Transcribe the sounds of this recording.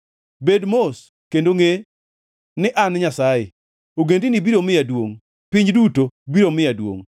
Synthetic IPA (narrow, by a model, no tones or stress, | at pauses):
bedmos | kendoŋe | nɪʔanɪɲasaje | oɡendinibiɾomɪjadwoŋ | pɪɲd͡ʒdutobiɾomɪjadwo̰ŋ